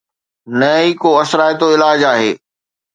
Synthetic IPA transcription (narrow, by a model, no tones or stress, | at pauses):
nɐikoɐsɾaːjt̪oɪlaːd͡ʑaːɦḛː